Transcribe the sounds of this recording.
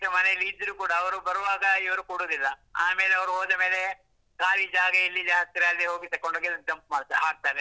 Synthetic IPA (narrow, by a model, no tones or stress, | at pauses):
kɾɐmɐneɐlːiːd͡ʒɐɾukuːɽɐːʋɐɾubɐɾɐʋaːɡɐiʋɐɾukoɽoːd̪ilːɐaːmeːleɐʋɐɾuɦoːd̪ɐme̞ːle̞ | kaːlid͡ʒaːɡɐilːid͡ʒaːɦɐt̪̚ːiɾeɐlːiɦoːɡit̪ɐkːoɳɖoɡed̪ɐɡd͡ʒɐmpmaːɽt̪aɦaːɡ̚t̪aːɾe